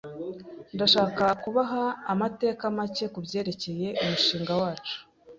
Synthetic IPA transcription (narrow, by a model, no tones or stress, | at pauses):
ndaʃaːkakuβaɦaːmate̞ːkamace̞kubje̞ːɾe̞ce̞je̞ʔumuʃiːŋɡawaːt͡ʃu̥